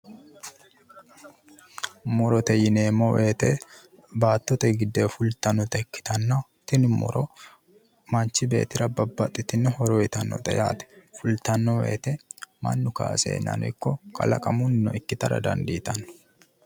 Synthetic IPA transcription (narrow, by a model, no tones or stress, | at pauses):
mɔɾɔt̪ɛjɪneːmɔwʔeːt̪ɛ | baːt̪ːɔt̪ɛɡɪd̪ːeːfʊlt̪ɐnːɔt̪ɛkːɪ̥t̪ɐnːɐ | t̪ɪnɪmɔ̰ɾʔɔ | mɐnt͡ʃːɪbe̞̰ːt̪ɪɾɐbɐbːɐt̪ʼːɪt̪ɪnːhɔɾɔjɪt̪ɐnːɔ̰t̪ʼɛ̰ja̰ːt̪ɛ̥fʊlt̪ɐnːɔwḛːt̪ɛmɐ̰nːʊka̰ːsḛːnɐ̰nɔɪkːɔkʰɐ̰lɐ̰kʼɐmʊnːɔ̰ʔɪkːɪt̪ɐɾɐ̰d̪ɐ̰nd̪iːt̪ɐnːɔ̥